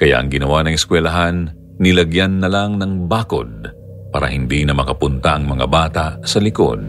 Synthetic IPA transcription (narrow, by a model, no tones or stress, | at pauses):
kɐja̰ʔɐŋɡɪnɐwanɐŋɛskwɛlɐɦanː | ɪlɐɡjanːɐlaŋnɐŋbaːko̞d̪̚ | paːɾɐ̰hɪnd̪inɐmɐkɐpʊnt̪ɐʔɐŋmɐŋa̰baːt̪ɐʔsɐlɪko̰d̪̚